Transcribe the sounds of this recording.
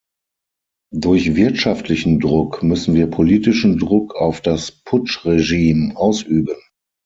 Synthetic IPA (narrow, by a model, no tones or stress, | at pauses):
dʊɐçvɪɐtʃaftʰlɪçn̩dʁʊkmʏsn̩viːɐpʰoliːtɪʃn̩dʁʊkʰaʊfd̥aspʰʊt͡ʃʁeʒiːmʔaʊsʔyːbən